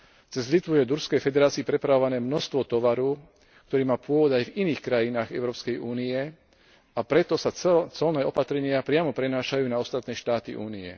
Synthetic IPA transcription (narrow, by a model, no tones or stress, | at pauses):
t͡sɛzlit̪ʋujɛd̪uɾskɛjfɛd̪ɛɾaːt͡siːpɾɛpɾaʋɔʋanɛːmnɔst̪ʋɔt̪ɔʋaɾu | k̚t̪ɔɾiːmaːpʊɔʋɔd̪ajviniːxkɾajinaːɣɛʊɾɔːpskɛjʔuːniɛ | apɾɛt̪ɔsat͡sɔlnɛːɔpat̪ɾɛɲɪapɾɪamɔpɾɛnaːʃajuːnaɔst̪at̪nɛːʃt̪aːt̪ḭʔuːniɛ̰